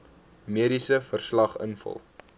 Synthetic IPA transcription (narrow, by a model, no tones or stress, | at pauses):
miəɾisəfərslɐχə̰nfə̰lˠ